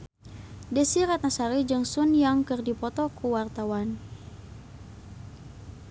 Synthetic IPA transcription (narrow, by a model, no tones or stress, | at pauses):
desiɾat̪̚nasaɾid͡ʒɨŋsunjaŋkɨrdipɔt̪ɔkʰuwart̪awan